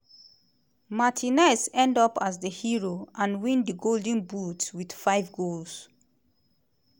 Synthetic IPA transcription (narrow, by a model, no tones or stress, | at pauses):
matʰinɛsɛ̃ndɔpazðəhiɹoʔãnwĩndəɡoldə̃nbutwid̥faɪvɡols